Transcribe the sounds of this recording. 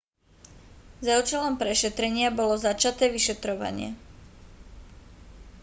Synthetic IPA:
zaʊt͡ʃɛlɔmpɾɛʃɛt̪ɾɛɲɪabɔlɔzat͡ʃat̪ɛːʋiʃɛt̪ɾɔʋa̰ɲɪɛ̰

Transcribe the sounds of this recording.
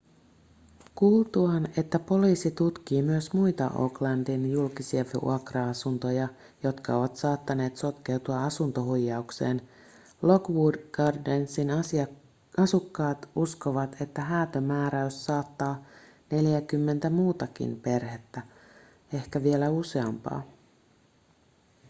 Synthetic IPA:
kuːlt̪uɑne̞t̪ːæpo̞liːsit̪ut̪k̟iːmyøsmujt̪ɑ̰ʔo̰klɑndinjulkisiɑʋṵɑkrɑɑsunt̪o̞jɑ | jo̞t̪kɑo̞ʋɑt̪sɑːt̪ːɑne̞ːt̪so̞t̪k̟e̞wt̪uɑɑsunt̪o̞ɦujːɑukse̞ːn | lo̞ɡʋudɡ̥ɑrdensin | ɑsukːɑːt̪usko̞ʋɑt̪ʰe̞t̪ːæɦæːt̪ømæːɾæysːɑːt̪ːɑː | ne̞ljækymːe̞nt̪æmuːt̪ɑkḭnpe̞rhe̞t̪ːæ | e̞hkæʋie̞læuse̞ɑmpɑ̰ː

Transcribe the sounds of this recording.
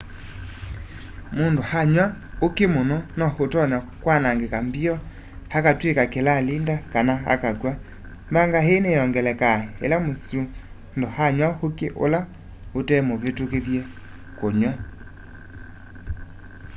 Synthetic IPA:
mondohaɲwa | okemonɔnɔhotɔnakwanaŋɡekambiɔ | hakatwekakelalindakanaa̰kakwa | mbaŋɡaɦenejɔŋɡɛlɛkaḛlamosu | ndohaɲwahokeʔo̰la | otɛmoβetokeðjɛ | koɲwa

